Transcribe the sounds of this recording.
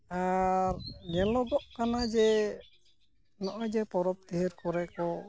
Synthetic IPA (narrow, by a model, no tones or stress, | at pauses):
aɾnɛlɔɡɔʔkanad͡ʒɛ | nɔʔɔjd͡ʒɛpɔɾɔp̚t̪iɦɛɾkɔɾɛkɔ